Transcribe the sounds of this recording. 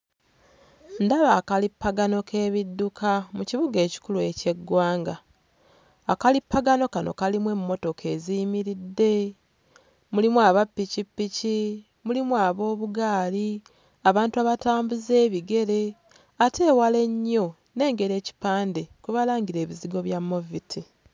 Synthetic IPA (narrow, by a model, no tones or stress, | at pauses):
ndaβaːkalipːaɡano̞kʰe̞ːβidːukʰamuciβuɡe̞ːci̥kulue̞ce̞ɡwaːŋɡaː | kalipːaɡano̞kano̞̰kalimwe̞mːo̞to̞kʰe̞ziːmiɾidːe̞ | mulimwaːβapːicipːici | mulimwaːβo̞ːβuɡaːli | aβaːntuaβataːmbuze̞ːβiɡe̞ɾe̞ | atʰe̞ːwale̞ɲːo̞ | ne̞ːŋɡe̞ɾe̞ːci̥paːnde̞kuβalaːŋɡiɾe̞ːβiziɡo̞βjamːovitʰi